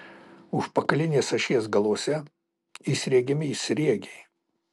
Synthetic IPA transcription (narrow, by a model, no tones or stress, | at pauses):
ʊʃpɐkɐlʲɪnʲeːsɐʃʲiɛsɡɐlˠoːsʲɛ | isʲɾʲiɛɡʲɪmʲɪisʲɾʲiɛɡʲe